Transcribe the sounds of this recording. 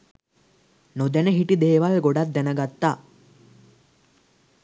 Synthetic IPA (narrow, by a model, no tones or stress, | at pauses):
nod̪ɐneɦiʈid̪eːʋɐlɡɔɽat̪̚d̪ɛnɐɡat̪ːa